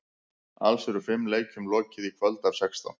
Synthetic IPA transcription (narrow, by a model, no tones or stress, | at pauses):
a̰lsɛɾʏfɪmːleːjcʏmlɔːcɪðikʰvœlt̪avsɛkst̪a̰n